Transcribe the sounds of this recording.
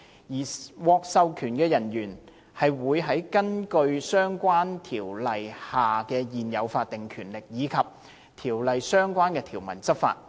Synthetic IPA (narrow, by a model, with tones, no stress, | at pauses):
jiː˨˩wɔː˧k̚sɐ˧wkʰyː˨˩nkɛː˧jɐ˨˩njyː˨˩n | hɐ˨jwuː˨˧jɦɐ˨˥jkɐ˥nkɵ˧ɥsœː˥ŋkʷaː˥nt̪ʰiː˨˩wlɐ˨jhaː˨kɛː˧jiː˨njɐ˨˧wfaː˧t̚t̪ɪ˨ŋkʰyː˨˩nlɪ˨k̚jiː˨˧kʰɐ˨p̚ | t̪ʰiː˨˩wlɐ˨jsœː˥ŋkʷaː˥nkɛː˧t̪ʰiː˨˩wmɐ˨˩nt͡sɐ˥t̚fa̰ː˧t̚